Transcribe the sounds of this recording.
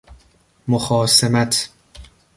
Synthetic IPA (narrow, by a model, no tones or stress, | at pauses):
moxɒːsemæt̪ʰ